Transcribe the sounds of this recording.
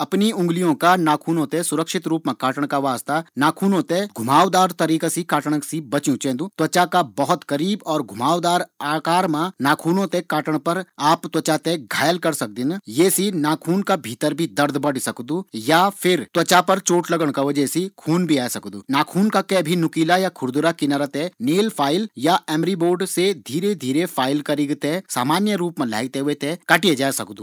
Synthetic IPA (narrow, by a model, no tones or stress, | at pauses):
ɐpniʊ̃ŋɡlijõkanaːkʰuːnõt̪esʊɾəkʃɪt̪ɾuːpmẽkaːʈəɽ̃kaʋaːst̪anaːkʰuːnõt̪eɡʱʊmaːʋd̪aːɾt̪ɐɾiːkasikaːʈəɽ̃əksibɐt͡ʃjũt͡ʃẽːd̪uːt̪wɐt͡ʃakabɐɦʊt̪kɐɾiːbɔːɾɡʱʊmaːʋd̪aːɾaːkaːɾmãnaːkʰuːnõt̪ekaːʈəɽ̃pɐɾaːpt̪wɐt͡ʃat̪eɡʱaːjəlkɐɾsɐk̚d̪ɪ̃njeːsinaːkʰuːnkabʱiːt̪əɾbʱid̪ɐɾd̪bɐɽ̤sɐkd̪ujapʰɪɾt̪wɐt͡ʃapɐɾt͡ʃoːʈlɐɡəɽ̃kaʋɐd͡ʒɛsikʰuːnbʱiaːjsɐkd̪uːnaːkʰuːnkakɛbʱinʊkiːlajakʰʊɾd̪ʊɾakinaɾət̪ɛneːlpʰaːɪljaɛːmɾiboːɖsed̪ʱiːɾed̪ʱiːɾepʰaːɪlkɐɾiɡt̪esa̰ːmaːnjəɾuːpmẽla̰ːɡ̚t̪eɦet̪ekɐʈied͡ʒaːsɐ̰kd̪uː